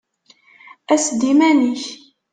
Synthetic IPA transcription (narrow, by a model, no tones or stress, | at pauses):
æsd̪imæniç